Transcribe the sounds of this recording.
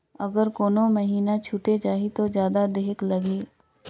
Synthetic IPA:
ɐɡəɾkoːnomɐɦiːnat͡ʃʰuʈed͡ʒaːɦit̪od͡ʒjaːd̪ad̪eɦklɐɡeː

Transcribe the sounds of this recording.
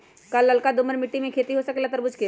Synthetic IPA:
kɐlːɐlkad̪ʊməɾmɪʈːimẽkʰeːt̪iɦosəkelət̪əɾbʊd͡ʒke

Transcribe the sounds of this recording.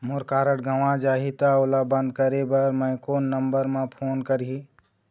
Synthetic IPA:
moɾkaːɾəʈɡʱəʋãd͡ʒaːɦit̪aolabə̃nd̪̚kəɾebəɾmə̃ɪkoːnːəmbəɾmẽpʰoːnkəɾɦi

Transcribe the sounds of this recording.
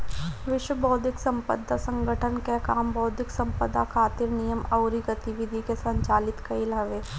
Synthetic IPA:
ʋɪʃwəbɔːd̪ʱɪksə̃mpə̰d̪ːasə̃ŋɡʱəʈʰənkekaːmbɔːd̪ʱɪksɐ̃mpəd̪akʰaːt̪ɪɾnijəmɐʊɾiɡət̪iʋɪd̪ʱikesɐ̃ɲt͡ʃaːlɪt̪kɐilɦɐʋeː

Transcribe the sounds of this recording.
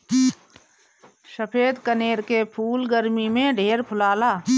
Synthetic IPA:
ʃəpʰeːd̪kəneːɾkepʰuːlɡəɾmimẽɖʱeːɾpʰʊlaːlaː

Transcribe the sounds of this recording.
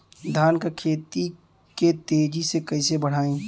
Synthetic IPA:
d̪ʱaːnkakʰeːt̪i | ket̪eːd͡ʒisekəɪsebəɽ̤aːẽː

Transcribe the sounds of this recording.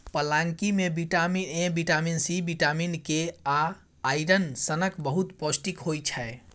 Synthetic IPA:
pəlaŋkimebiʈaminẽbiʈaminsibiʈaminkea | aiɾənsənəkbəɦut̪posʈikɦojt͡ʃʰəe

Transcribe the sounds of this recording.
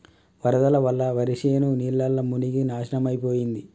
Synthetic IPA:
ʋɐɾɐd̪ɐlɐʋɐlːɐʋɐɾiʂeːnuniːlːɐlːɐmuniɡinaːʃɐnɐmɐjpoːjind̪i

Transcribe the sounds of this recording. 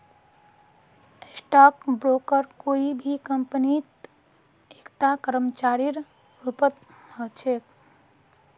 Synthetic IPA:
sʈaːkbɾoːkəɾkoːibʱikə̃mpənit̪ | ekt̪akəɾəmt͡ʃaːɾiɾ | ɾʊpət̪ | hət͡ʃʰeːk

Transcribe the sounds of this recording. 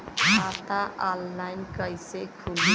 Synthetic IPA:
at̪aʔalːajnkʌjsekʰul

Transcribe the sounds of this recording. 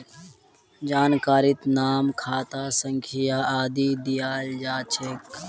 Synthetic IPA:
d͡ʒaːnkaːɾɪt̪naːmkʰaːt̪aːsəŋkʰijaaːd̪iːd̪ijaːld͡ʒaːt͡ʃʰeːk

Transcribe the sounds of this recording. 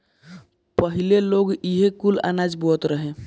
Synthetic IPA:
pəɦileloɡiɦekula̰nad͡ʒbot̪ɾəɦe

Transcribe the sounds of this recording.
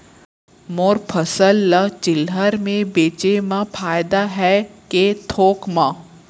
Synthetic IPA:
moːɾpʰəsəlːət͡ʃɪlɦəɾmẽbeːt͡ʃemãpʰaːjd̪aɦɛket̪ʰoːkmãː

